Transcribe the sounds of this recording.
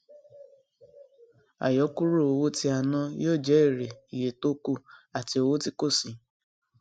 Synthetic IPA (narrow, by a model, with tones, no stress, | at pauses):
a̰˨jɔ˨˦ku˦ɾu˦˨o˨wo˦ti˧a˨nɔ̃˧joː˦˨d͡ʒɛ˨˦i˦˨ɾe˨i˨je˨to˦ku˦˨a˨ti˧˦o˧wo˦ti˧ko˦˨sĩ˨